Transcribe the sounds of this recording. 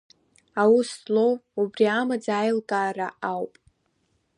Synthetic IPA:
awuslowubriamad͡zaːjlkʼaːraʔawpʼ

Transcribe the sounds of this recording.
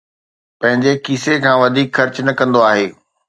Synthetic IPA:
pɐ̃ɦɪ̃ɲd͡ʑekiːsekʰãːʋɐd̪ʱiːkxɐɾt͡ɕnɐkɐ̃nd̪oaːɦeː

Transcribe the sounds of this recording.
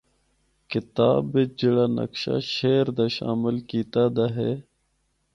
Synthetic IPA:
kɪt̪a̰ːbid͡ʑiɽanɐ̰kɕa̰ɕeːɾd̪aɕa̰ːmɪlkiːt̪aːd̪aɦe

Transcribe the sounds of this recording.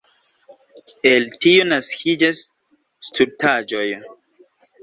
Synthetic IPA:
eltionaskʰid͡ʒasː | tuɾtad͡ʒo̞j

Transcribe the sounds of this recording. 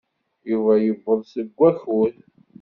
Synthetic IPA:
juvæjəvːəðˤsəɡʷːæxuθ

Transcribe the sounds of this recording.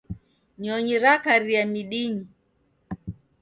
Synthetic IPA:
ɲɔɲiɾakaɾijamiɗiɲi

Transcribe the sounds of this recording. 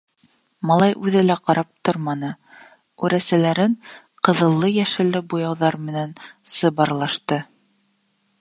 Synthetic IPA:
mɑlˠɑjʔʉðɘlæqɑɾɑp̚t̪oɾmɑnɤ | ʉɾæsælæɾɘɴ | qɤ̆ðɤ̆lˠːɤjæʃɘ̆lːɘbujɑwðɑɾmɘ̆nænsɤ̆bɑɾlˠɑʃt̪ɤ

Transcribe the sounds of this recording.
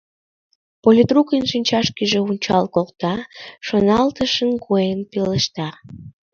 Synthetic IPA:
polʲid̪rukənʃinʲt͡ɕɑʃkiʒeunʲt͡ɕɑ̰lkol̚t̪ɑʃonɑlt̪əʃənkujənpiləʃt̪ɑ

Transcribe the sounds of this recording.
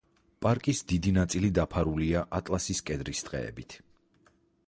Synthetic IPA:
pʼaɾkʼisd̪id̪inat̪sʼilid̪apʰaɾuliaʔat̪ʼlasiskʼɛd̪ɾisd̪̥ʁɛ̰ɛ̰bit̪ʰ

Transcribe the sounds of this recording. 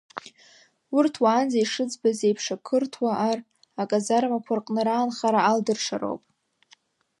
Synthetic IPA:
ʊrtʰwaːnzajʂɨd͡zbazejpʰʂakʰɨrtʰwaʔar | akʼazarmakʷʰarqʼnɨɾaːnχaɾaaldɨrʂʰaɾo̰wpʼ

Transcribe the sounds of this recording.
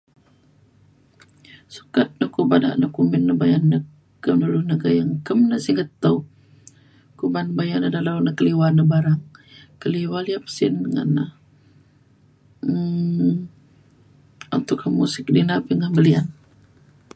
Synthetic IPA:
su̥kat̪̚nəkubada̰ʔnokumɪnːəbajanːə | kəmnuluhnəɡajaŋkəmnəsiŋət̪ːəw | kubanbajanədalawnəkəliwanəbaɾaŋkəliwaliap̚sɪnŋa̰nːa | unt̪ʊkamusɪk̚dinapiŋəməlian

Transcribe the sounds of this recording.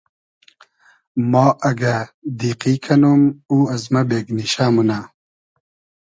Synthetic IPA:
moːʔɐɡɐd̪iːqiːkʰɐnomuːɐzmɐbeːɡniɕaːmuna

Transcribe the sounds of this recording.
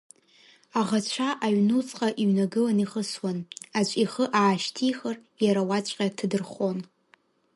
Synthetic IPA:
aʁat͡ɕʷʰaʔaɥnut͡sʼqʼaʔiɥnaɡɨlaniχəswanat͡ʃʷʼiχəʔaːʃtʰijχar | jaɾawat͡ɕʷʼqʲʼatʰɨdɨrχʷo̞n

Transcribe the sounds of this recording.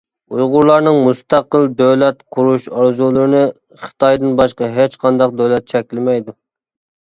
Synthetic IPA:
ujʁʊɾlˠɑɾnɨŋmust̪ɑqəlˠd̪øwlɛt̪qʰʊɾuʃɑɾzulˠɨɾɨnɨ | χə̥t̪ʰɑjd̪ɨnbɑʃqɑɦet͡ʃqʰɑnd̪ɑq̚d̪øwlɛt̪̚t͡ʃʰɛkʲlɪmɛjd̪u

